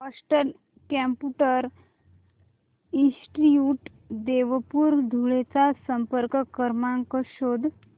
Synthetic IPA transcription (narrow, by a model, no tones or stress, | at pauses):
ʋasʈəɾ | kɛmpuʈəɾ | ĩsʈiuʈ | d̪eʋəpuɾd̪ʱuɭet͡sasəmpəɾkəkəɾmãŋkəɕod̪ʱ